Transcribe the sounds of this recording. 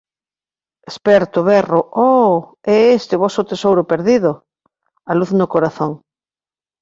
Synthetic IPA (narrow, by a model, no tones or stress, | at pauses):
espɛɾt̪ʊβɛroʔɔ | ɛest̪ɪβɔsʊt̪esowɾʊpeɾðiðʊ | aluθnʊkoɾaθoŋ